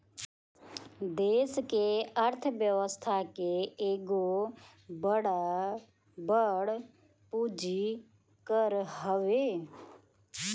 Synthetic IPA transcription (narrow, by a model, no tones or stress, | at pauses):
d̪eːskeəɾt̪ʰəʋjəʋəst̪ʰakeeːɡo | bəɽa | bəɽ | pud͡ʒi | kəɾɦəʋe